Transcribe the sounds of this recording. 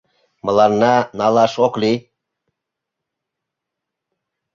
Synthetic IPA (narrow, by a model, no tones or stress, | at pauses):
məlˠɑɾnɑnɑlˠɑʃoqli